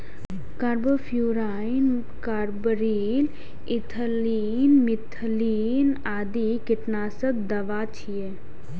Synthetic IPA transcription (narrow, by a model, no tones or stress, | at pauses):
kaːɾboːpʰjuːɾaːin | kaːɾbəɾiːl | ɪt̪ʰəliːnmɪt̪ʰliːnaːd̪ikɪʈnaːsəbd̪ɐʋat͡ʃʰije